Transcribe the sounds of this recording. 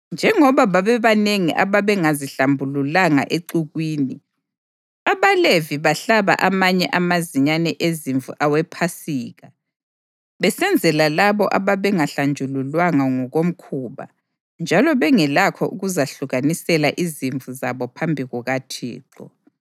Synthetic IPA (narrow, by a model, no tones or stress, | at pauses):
nd͡ʒʱɛŋɔβaβaβɛβaneŋiʔa̰βaβɛŋaziɬambʱululaŋa̰ʔeǃuɣwiːni | aβaleviβaɬaβa̰ʔamaɲɛʔamaziɲanɛʔeziɱvṵʔawɛpʰasiːɣa | βɛsɛnd͡zʱɛlalaβɔʔaβaβɛŋaɬand͡ʒʱululwaŋaŋɔɣom̩kʰuβa̰ | nd͡ʒʱalɔβɛŋɛlakʰɔ̰ʔuɣuzaɬuɣanisɛlaʔiziɱvuzaβɔpʰambʱiɣɔɣatʰḭːǁɔ̰